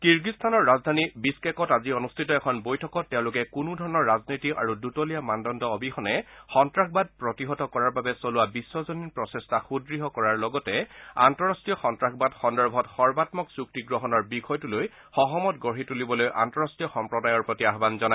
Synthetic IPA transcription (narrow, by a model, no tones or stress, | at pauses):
kiɹɡistʰanɔɹːazdʱanibiskɛkɔtaziɔnustʰitɔɛkʰɔnbojtʰɔkɔtːɛʊ̃lʊkɛkunudʱɔɹɔnɔɹːaznitiʔa̰ɹudutɔlijamandɔndɔɔbʱixɔnɛxɔntɹaxbad̚pɹɔtiɦɔtɔkɔɹaɹbabɛsolʊwabisːɔzɔninpɹɔsestʰaxudɹiɦɔkɔɹaɹlɔɡɔtɛa̰ntɔɹastijɔxɔntɹakbadxɔndɔɹbʱɔtxɔɹbatmɔksuk̚tiɡɹɔɦɔnɔɹbixʰɔjtuloj | xɔɦɔmɔtɡɔɦitulibɔlojʔa̰ntɔɹastijɔxɔmpɹɔdajɔɹpɹɔtiaɦbanzɔna